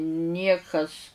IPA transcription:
ˈnʲiɛkɐs

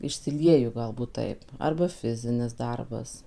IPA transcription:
ɪʃʲsʲɪˈlʲiɛjʊ ˈɡɐlˠbuːt ˈtɐɪp ɐrbɐ ˈfʲɪzʲɪnʲɪs ˈdɐrbɐs

